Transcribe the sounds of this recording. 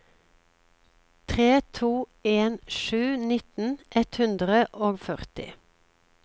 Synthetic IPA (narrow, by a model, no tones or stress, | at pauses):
t̪ʰʁeːt̪ʰuːeːnʃʉːnɪt̪n̩ʔɛt̪hʉnd̪ʁəʔoːɡfœʁt̪ɪ̰